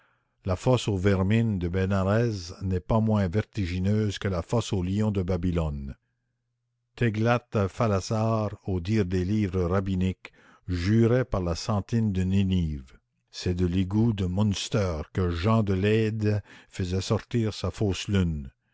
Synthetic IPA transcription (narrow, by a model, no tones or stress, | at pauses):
lafɔsovɛʁmind̪əbɛnaʁɛznɛpamwɛ̃vɛʁt̪iʒinøːzkəlafɔsoliɔ̃d̪əbabilɔn | t̪ɛɡlat̪falasaːʁod̪iːʁd̪eliːvʁəʁabinik | ʒyːʁɛpaʁlasɑ̃t̪ind̪əniniːv | sɛd̪əliɡud̪əmɔ̃nst̪œːʁkəʒɑ̃d̪əlɛd̪fəzɛsɔʁt̪iːʁsafoːslyn